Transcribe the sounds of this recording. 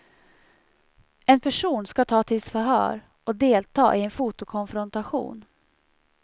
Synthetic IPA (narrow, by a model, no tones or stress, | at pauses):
ɛnpʰæʂuːnskat̪ʰɑːt̪ʰɪlsfœɾɦœ̰ːɾ | ɔd̪eːlt̪ʰɑ̰ːʔɪɛnfuːt̪ʊkʰɔnfɾɔnt̪aɧṵːn